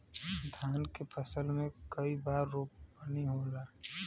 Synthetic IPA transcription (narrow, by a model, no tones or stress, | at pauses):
d̪ʱaːnkepʰəsəlmẽkəibaːɾːuːp̚bəniɦoːlaː